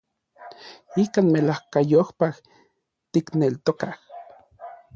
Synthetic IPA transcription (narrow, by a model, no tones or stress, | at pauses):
ikaːnmelahkajohpah | t̪iknelt̪okah